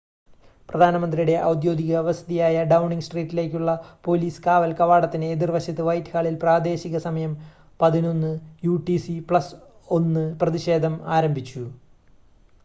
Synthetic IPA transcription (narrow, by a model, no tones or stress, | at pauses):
prɐd̪ʱaːnɐmɐnd̪rijuɽe̞ʔɐ̰wd̪jo̞ːɡ̪iɣɐʋɐsɐd̪ijaːjɐɖɐwɳiŋɡsʈriːtːile̞ːkʲːuɭːɐpo̞ːliːskaːʋɐlkɐʋaːɽɐt̪ːineːðirʋɐɕjɐt̪ːɨʋɐjtːkaːɭilpraːd̪e̞ːɕiɣɐsɐmɐjɐm | pɐðino̞nːɨjuːʈisipɭɐs | o̞nːɨprɐðiɕe̞ːd̪ʱɐmaːɾɐmbʱit͡ɕːu